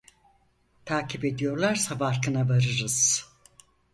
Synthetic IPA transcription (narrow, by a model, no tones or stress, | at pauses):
t̪ʰaːcʰipe̞d̪ijo̞ɾlˠaɾsabaɾkʰɯnavaɾɯɾɯz̥